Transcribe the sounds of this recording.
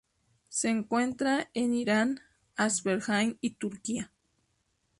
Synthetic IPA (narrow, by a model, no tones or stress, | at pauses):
seːŋkwent̪ɾaeniɾan | asβeɾxanit̪uɾkia